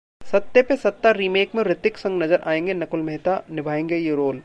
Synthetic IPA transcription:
sɐt̪ːepesɐt̪ːaɾiːmeːkmẽbɾɪt̪ɪksɐ̃ŋɡnɐzəɾʔa̰ːẽːŋɡenɐkʊlmɛɦt̪anɪbʱaːẽːŋɡejeɾoːl

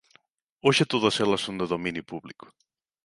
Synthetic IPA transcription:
oʃet̪oðɐselɐsːõnd̪eðomĩnjupuβlikʊ̥

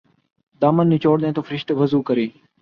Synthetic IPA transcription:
d̪aːmənːiːt͡ʃoːɽd̪ẽːt̪oːfʰɾɪʃʈ̪ʋəzuːkəɾeː

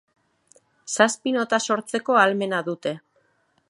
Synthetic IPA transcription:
saspino̞t̪aso̞ɾt͡se̞ko̞alme̞naðut̪e̞

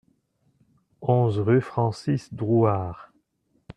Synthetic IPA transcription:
ɔ̃zʁyfχɑ̃sisd̪ʁuaːʁ

